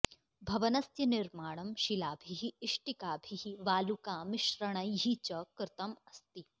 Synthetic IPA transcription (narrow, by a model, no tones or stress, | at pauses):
bʱɐʋɐnɐsjɐnɪɾmaːɽ̃ɐmʃilaːbʱiɦiːʂʈikaːbʱiɦiʋaːlukaːmɪʃɾɐɽ̃ɐjɦit͡ʃɐkɾɪt̪ɐmɐst̪i